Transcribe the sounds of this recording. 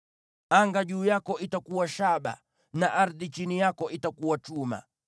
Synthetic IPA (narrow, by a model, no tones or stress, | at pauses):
aŋɡaʄuːjakɔʔitakuwaʃaɓa̰ | naʔaɾðit͡ʃinijakɔʔitakuwat͡ʃuma̰